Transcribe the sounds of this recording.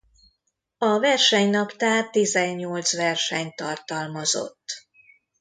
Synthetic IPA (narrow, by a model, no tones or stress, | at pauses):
ɒvɛrʃɛɲnɒpt̪aːrt̪izɛɲːo̞lt̪sʋɛrʃɛɲt̪ɒrt̪ɒlmɒzo̞̰t̪ː